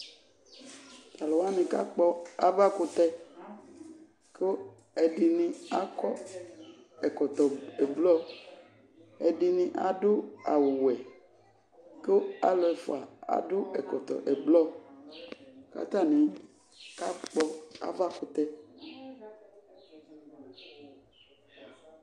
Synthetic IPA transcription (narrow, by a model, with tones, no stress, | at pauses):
t̪a˨lɔ˨wa˦nẽ˨ka̰˦k͡pɔ˦a˦va˦kʊ˨t̪ɛ˦ | ko˦ | ɛ˨ɖi˨nĩ˨a˦kɔ˦ | ɛ˨kɔ˨t̪ɔ˨ɛ˨blɔ˦ | ɛ˨di˨nĩ˦ʔa˨dʊ˦a̰˨wʊ˨wɛ˨ | ke˦o˦a̰˦lɔ˦ɛ˨fo˨a˨a̰˨dʊ˦ɛ˨kɔ˨t̪ɔ̰˨ʔɛ˨blɔ˦ | ka̰˨t̪a˦˨nɛ̃˨ | ka˦k͡pɔ˦a̰˦va˦kʊ˨t̪ɛ˦